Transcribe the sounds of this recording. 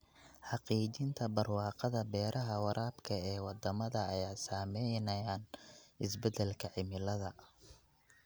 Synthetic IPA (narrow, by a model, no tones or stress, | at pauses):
ħɑqiːt͡ʃɪnt̪ʰɐbɐrwɑːqɑðɐbɛːɾʔɐɦɐwɑɾʔaːbkʰɐɛːwɑd̪ɐmɐðɐːjaːsaːmɛjnɐjaːnʔɪsbɛd̪ɛlkʰɐʕɪmɪlɐðɐ